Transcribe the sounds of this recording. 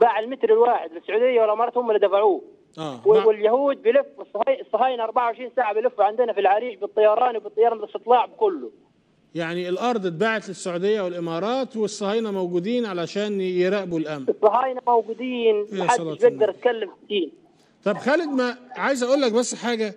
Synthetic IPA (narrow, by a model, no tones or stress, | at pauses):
baʕɪlmɪt̪ɾɪlwaːħɪd̪lɪsːʊʕuːd̪ɪjːawɪlʔɪmɑɾɑːt̪hʊmːælːid̪afaʕuː | ʔæːwwɪljahuːd̪̚bɪjlɪfːwɪsˤːɑhɑsˤːɑhɑːjnaʔɑɾˤbaʕawʕɪʃɾiːnsaːʕabjlɪfːuʕɪnd̪ɪnafilʕaɾiːʃbɨt̪ˤːɑjɑɾˤɑːnwbɪt̪ˤːɑjɑɾɑːnbɪlst̪ɨt̪ˤlɑːʕbɪkʊlːʊ | jaʕniɪlʔɑɾˤd̪ˤt̪̚baːʕat̪lɪsːaʕuːd̪ɪjːæwɪlʔɪmɑːɾˤɑːt̪wɪsˤːɑhɑːjnæmæwɡuːd̪iːnʕalæʃæːnjɪɾæʔbulʔæmsˤːɑɦɑːjnamawɡuːd̪iːnæħadʃbjeɡ̚d̪ɑɾˤɪt̪̚kalːɪmfsiːn | t̪ˤɑbxæːlɪd̪mæʕajzʔæʔuːlːæk̚bæsːħaːɡæ